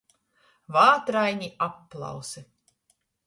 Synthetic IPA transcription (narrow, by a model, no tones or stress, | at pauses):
vaːt̪ɾajnʲiʔapːlˠɑ̰wsɨ